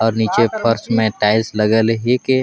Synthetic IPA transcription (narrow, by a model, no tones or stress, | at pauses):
ɔːɾniːt͡ʃepʰəɾsmẽʈaɪsləɡəlɦike